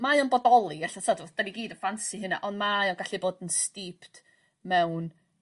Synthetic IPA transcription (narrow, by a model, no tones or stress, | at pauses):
majɔnbɔdɔlˠiɡɛɬɔtʰɔdɔd̥aniɡiːdəfansiɦɪna̰ʔɔndmajɔnɡaɬiboːdənstipʰt | mɛwn